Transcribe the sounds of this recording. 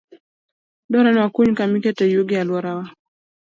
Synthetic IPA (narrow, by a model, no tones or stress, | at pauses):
dɔɾanwakuɲkamiketɛjuɡɪalwɔɾawa